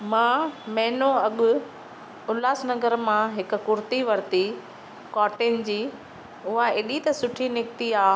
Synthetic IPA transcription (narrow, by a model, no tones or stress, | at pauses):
mãːmɛ̃ːnõɐɠʊ | ʊlaːsnɐɡəɾmãɦɪkʊ̆kʊɾt̪iʋɐɾt̪i | kɔːʈɪnɪ̆d͡ʑiː | ʊɦaeːɗit̪ɐsʊʈʰinɪk̚t̪iaːɦ